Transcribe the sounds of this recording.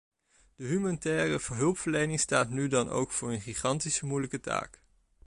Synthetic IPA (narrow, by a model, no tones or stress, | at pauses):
d̥əɦymanitɛːrəvəɹɦɵlˠpfəɹlejnɪŋstaːtnydɑnʔo̰wkfʊːɹənχiχɑntisəmujləkəta̰ːk